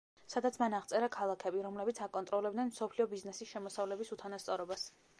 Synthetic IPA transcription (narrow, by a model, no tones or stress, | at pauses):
sad̪at̪sʰmanaʁt̪sʼɛɾakʰalˠakʰɛbiɾɔmlɛbit̪sʰakʼɔnt̪ʼɾɔlɛbd̪nɛnmsɔpʰliɔbiznɛsisʃɛmɔsavlɛbisut̪ʰanast̪sʼɔɾɔbas